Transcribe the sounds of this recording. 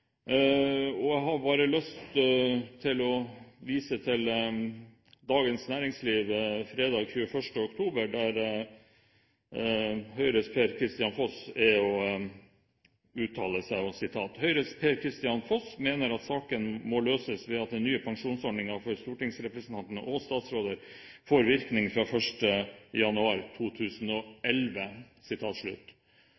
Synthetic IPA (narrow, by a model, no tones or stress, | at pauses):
ɔæɪɦɑɾbɑːɾəlœst̪t̪ʰɪlɔʋiːsət̪ʰɪl | d̪ɑːɡənsnæːɾɪŋsliːʋfɾeːd̪ɑːɡçʉːəfœʂʈəɔkt̪ʰuːbəɖæɾ | hœʏɾəspʰeːɾkʰɾɪst̪ɪɑnfɔsæɔ | ʉːt̪ʰɑːləsæɪɔsɪt̪ʰɑːt̪hœʏɾəspʰeːɾkʰɾɪst̪ɪjɑnfɔsmeːnəɾɑt̪sɑːkənmɔløːsəsʋɛɑt̪̚d̪ɛnyːəpʰɑŋʂuːnsɔɖɳɪŋɑfɔɾst̪uːʈɪŋsɾɛpɾəsənt̪ɑnt̪ənəʔɔst̪ɑːt̪sɾoːd̪əɾ | foːɾʋɪɾknɪŋfɾɑfœʂʈəjɑnʉɑːɾt̪ʰuːt̪ʰʉːsnɔʔɛlʋə | sɪt̪ʰɑːt̪ʂɭʉ̰t̪